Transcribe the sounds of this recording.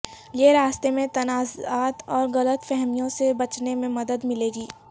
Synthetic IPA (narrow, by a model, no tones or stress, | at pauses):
jeɾaːst̪emẽt̪ɐnaːzaːt̪ɔːɾɣɐlət̪fɛɦmijõsebɐt͡ʃnemẽmɐd̪əd̪mɪleːɡiː